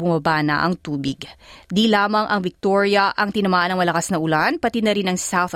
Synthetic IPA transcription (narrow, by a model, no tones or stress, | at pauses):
bʊmɐbanɐ̰ʔɐ̰ŋt̪uːbɪɡd̪ilaːmɐŋʔɐŋvɪk̚t̪oɹjɐʔɐŋt̪ɪnɐmaːʔɐnɐŋmɐlɐkasnɐʔʊlanpɐt̪id̪nɐɾinɐŋsawθ